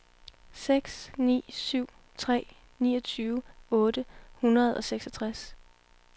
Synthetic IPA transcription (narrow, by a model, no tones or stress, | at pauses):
seɡ̥snḭːsyʊ̰ | t͡sʰʁɛ̰ː | niːɒ̽t͡sʰyːʊɔ̽ːd̥əhunɐð̞ˠɒ̽seɡ̥sɒt͡sʰʁas